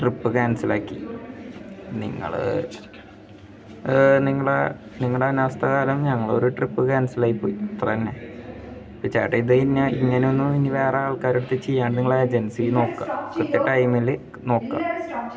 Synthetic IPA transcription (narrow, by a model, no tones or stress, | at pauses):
ʈripːɨkaːnɐsilaːkːḭ | nḭŋːɐ̰ɭ | niŋːɐɭeniŋːɐɭeɐnuʋɐst̪ʰɐɣaːlɐmɲɐŋːɐɭo̞̰ɾuʈripːɨkaːnɐsilaːjipːo̰ːjit̪ːɾɐnːe | pit͡ɕaːʈːeiðɨnːɐiŋːɐneonːuminːiʋe̞ːreaːɭkaːɾiɽut̪ːit͡ɕːejːaːɳɖɨniŋːɐɭeed͡ʑensino̞ːkːa̰krut̪ːeʈːɐjmile | no̞ːkːa̰